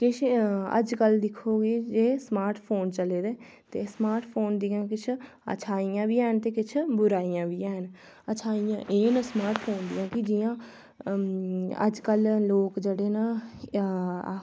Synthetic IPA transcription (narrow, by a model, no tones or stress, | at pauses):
kɪt͡ʃʰə̰d͡ʒkəld̪ɪkʰːoːɡeːd͡ʒeːsmaːɾʈʰpʰoːnt͡ʃəleːd̪eː | t̪ḛːsmaːɾʈʰpʰoːnd̪ijãːkɪt͡ʃʰ | ə̰t͡ʃʰaːijãːbiːɛːnt̪eːkɪt͡ʃʰbʊɾaːiːjãːʋiːɛːn | ət͡ʃʰaːijã̰ːʔeːnəsmaːɾʈʰpʰoːnd̪ijãːkɪd͡ʒɪjãː | ə̰d͡ʒkəlloːkd͡ʒeːɽeːnaː